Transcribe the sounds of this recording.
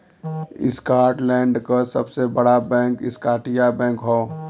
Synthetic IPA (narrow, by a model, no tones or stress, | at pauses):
ɪ̰skaːʈlɛ̃ːɳɖkasəbsebəɽabɛ̃ːŋkɪskaːʈijabɛ̃ːŋkɦoː